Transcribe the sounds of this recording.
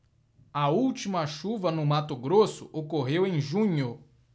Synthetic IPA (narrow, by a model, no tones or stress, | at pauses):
ɐuwt͡ʃimɐʃuvɐnʊmat̪ʊɡɾosʊ̰ʔokoɦewẽj̃ʒũɲʊ